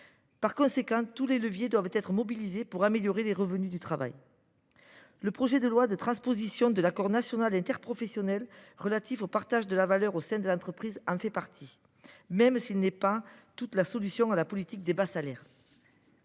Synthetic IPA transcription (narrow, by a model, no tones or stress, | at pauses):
paʁkɔ̃sekɑ̃t̪uleləvjed̪wavt̪ɛt̪χəmɔbilizepuʁameljɔʁeleʁəvənyd̪yt̪χava̰j | ləpχɔʒɛd̪əlwad̪ət̪χɑ̃spozisjɔ̃d̪əlakɔʁnasjɔnalɛ̃nt̪ɛʁpχɔfɛsjɔnɛlʁəlat̪ifopaʁt̪aʒd̪əlavalœʁosɛ̃d̪əlɑ̃t̪χəpχizɑ̃fɛpaʁt̪ʰi | mɛmsilnɛpat̪ut̪lasɔlysjɔ̃alapɔlit̪ik̚d̪ebasalɛʁ